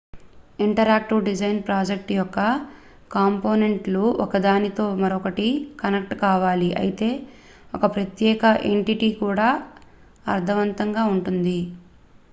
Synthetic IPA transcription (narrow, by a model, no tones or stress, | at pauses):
iɳʈɐɾaːk̚ʈiʋɖid͡ʒɐjnpɾaːd͡ʒek̚ʈjɔkːɐ | kaːmpo̞ːneɳʈluʔɔkɐd̪aːnit̪o̞ːmɐɾɔkɐʈikɐnek̚ʈkaːʋaːliʔɐ̰jit̪e̞ː | ɔkɐpɾɐt̪jɛːkɐʔeɳʈiʈiːkuːɽaː | ɐ̰ɾt̪ʰɐʋɐnt̪ɐŋɡaːuɳʈund̪i